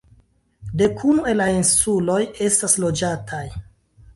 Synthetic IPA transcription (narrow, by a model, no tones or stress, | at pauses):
de̞kʰunue̞lainsulo̞je̞staslo̞d͡ʒatʰaj